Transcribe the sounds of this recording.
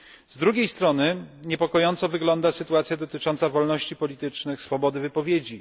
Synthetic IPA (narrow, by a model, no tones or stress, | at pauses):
zd̪ɾuɡʲejst̪ɾɔnɘɲɛpɔkɔjɔnt̪sɔvɘɡlɔnd̪asɘt̪uat̪sʲjad̪ɔt̪ɘt͡ʂɔnt̪savɔlnɔɕt͡ɕipɔlʲit̪ɘt͡ʂnɘxsfɔbɔd̪ɘvɘpɔvʲjed͡ʑi